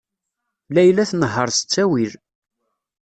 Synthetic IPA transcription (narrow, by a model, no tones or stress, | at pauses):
læjlæθnəɦːəɾˤsə̥t͡sːæwil